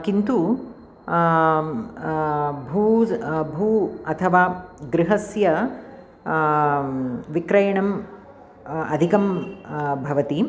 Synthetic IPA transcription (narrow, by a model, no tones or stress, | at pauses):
kint̪u | bʱuːbʱuːɐt̪ʰɐʋaːɡɾɪɦɐsjɐ | ʋikɾɐjɐɳɐm | ɐ̰d̪ʱikɐm | bʱɐʋɐt̪i